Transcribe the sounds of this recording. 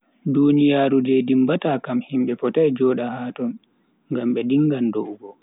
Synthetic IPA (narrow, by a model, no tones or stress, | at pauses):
dunijaːɾudɛdimbataːkamhimɓɛfɔtajd͡ʒɔːɗahaːtɔn | ŋɡamɓɛdiŋːɡandoʔuɡɔ